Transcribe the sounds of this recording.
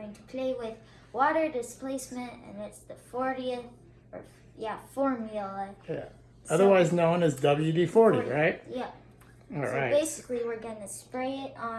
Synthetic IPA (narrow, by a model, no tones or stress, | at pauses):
ɪ̃ŋtʰə̥pʰl̥eɪwɪð | wɔɾə˞dɨspleɪsmɨ̃ntɨ̰̃nɪtsðəfɔɹɾiɨθ | ə̰˞ | jæfɔɹmjlˠəjæ̰ | ʌðə˞waɪznõʊ̃nɨzdʌbl̩ˠjʉdifɔɹɾḭɹaɪt̚jæ | ɔɹa̰ɪtbeɪsɨ̥kliwɪɹɡʌ̃nɨspɹeɪɪɾ